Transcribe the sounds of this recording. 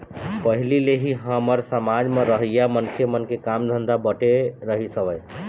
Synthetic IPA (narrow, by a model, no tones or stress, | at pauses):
pəɦilileɦiɦəməɾsəmad͡ʒmeɾəɦəjamənkʰjəmənkekamd̪ʱənd̪abəʈeɾəɦisəbəj